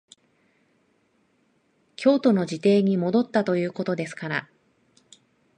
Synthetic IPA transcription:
kʲo̞ːt̪o̞no̞ʑit̪e̞ːɲ̟imo̞d̪o̞t̪ːat̪o̞jɯ̟ːko̞t̪o̞d̪e̞sɨ̥kaɾa

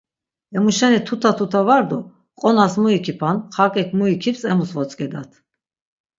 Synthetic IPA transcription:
ɛmuʃɛnit̪ʰut̪ʰat̪ʰut̪ʰavaɾd̪ɔ | qʼɔnasmuikʰipʰanχakʼɛkʰmuikʰipsɛmusvɔt͡sʼkʼɛd̪at̪ʰ

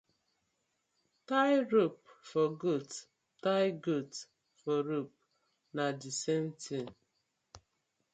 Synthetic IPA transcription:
taɪɾup̚fɔɡut | taɪɡut | fɔɾup̚ | nadisen̩tin

